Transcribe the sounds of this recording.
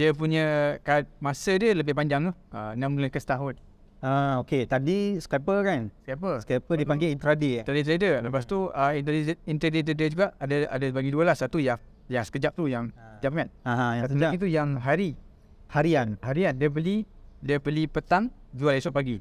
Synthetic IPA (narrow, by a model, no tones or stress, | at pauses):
diəpuɲəkat̪̚masədələbɪhpaɲd͡ʒaŋt̪uhənãmləkəst̪aɦʊt̪̚ | aoket̪adisə̥kapəkanskapərskapədipaŋɡeint̪ɾadiadit̪ɾadələpast̪uəint̪iint̪ɾadit̪ədəd͡ʒuɡaʔadəa̰dəbaɡiduəlahsat̪uja | jaŋsə̥kəd͡ʒap̚t̪ujaŋdapŋat̪̚aɦãjaat̪̬ujaŋɦaɾi | haɾianhaɾiandiəpəlidiəpəlipət̪aŋd͡ʒualisɔʔ̚paɡi